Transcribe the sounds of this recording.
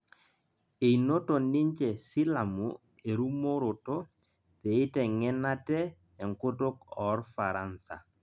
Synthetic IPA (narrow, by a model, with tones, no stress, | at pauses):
e˨i˨no˦to˨nɪ˦ɲt͡ʃɛ˨sɪ˦la˨mṵ˨ | e˨ɾu˦mo˦ɾo˨to˦ | pe˨ɪ˦tɛ˨ŋɛ˦na˦tɛ˦ | ɛ˨ŋko˦to˦kɔ˨˦rfa˨ɾa˦nsa̰˨